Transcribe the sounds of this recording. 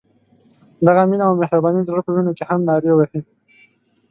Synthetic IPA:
d̪aɣaminaawmɪhɾabɑnizəpənunokehamnɑɾewahi

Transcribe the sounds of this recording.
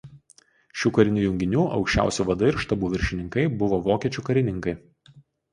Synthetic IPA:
ʃʲuːkɐɾʲɪnʲuːjʊŋʲɡʲɪnʲuːʔɒ̰ʊkʃʲt͡ʃʲæ̰ˑʊsʲuːʋɐd̪ɐɪɾʃt̪ɐbuːʋʲɪɾʲʃʲɪnʲɪŋkɐɪbʊʋoːʋoːkʲiɛt͡ʃʲuːkɐɾʲɪnʲɪŋkɐɪ

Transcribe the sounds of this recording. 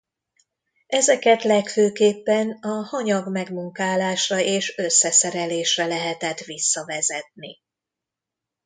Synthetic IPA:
ɛzɛkɛt̪lɛkføːkeːpːɛnɒhɒɲɒɡmɛɡmuŋkaːlaːʃrɒeːʃø̞sːɛsɛɾɛleːʃrɛlɛɦɛt̪ɛt̪ʋisːɒvɛzɛt̪̚ni

